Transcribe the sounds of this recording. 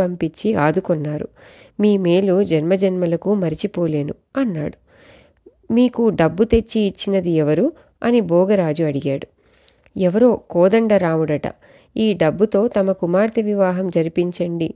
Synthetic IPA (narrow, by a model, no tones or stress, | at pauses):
ɐmpiɲt͡ʃːiaːd̪ukɔnːaːɾṵ | miːmeːlud͡ʒɛnmɐd͡ʒɐnmɐlɐkumɐɾit͡ʃipoːle̞ːnu | ɐnːa̰ːɽu | miːkuɖɐbːut̪e̞t͡ʃːiːt͡ʃːinɐd̪iɛʋɐɾu | ɐ̰nibɔːɡɐɾaːd͡ʒuɐɽiɡaːɽu | ɛʋɐɾo̞ːkɔːd̪ɐɳɖɐɾaːmuɽɐʈɐ̰ | iːɖɐbːut̪o̞ːt̪ɐmɐkumaːɾt̪ɐʋiʋaːɦɐmd͡ʒɐɾipiɲt͡ʃɐɳɖi